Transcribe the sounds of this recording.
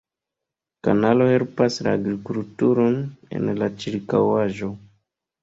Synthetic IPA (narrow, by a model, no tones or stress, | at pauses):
ka̰nalo̞he̞ɾpaslaːɡɾikultuɾone̞̰nlat͡ʃiɾkawaʒo